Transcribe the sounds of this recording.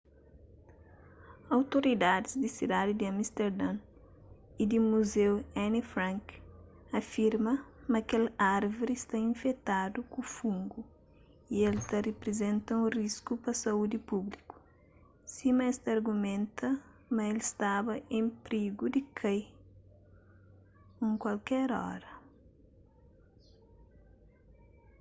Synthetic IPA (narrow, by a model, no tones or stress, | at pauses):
awt̪oɾid̪ad̪ɪzd̪isid̪ad̪id̪iɐmist̪eɾd̪ãn | id̪imuzewɛnifɾãŋk | ɐfiɾmɐmɐkelaɾvoɾist̪aĩnfet̪ad̪ukufũŋɡu | ielt̪ɐrepɾezẽnt̪ɐũriskupɐsɐud̪ipubliku̥ | simɐɛst̪aɾɡumẽnt̪ʰɐ | mɐelist̪abɐʔẽpɾiɡud̪ikʰɐj | ũŋkwalkɛɾɔ̰ɾɐ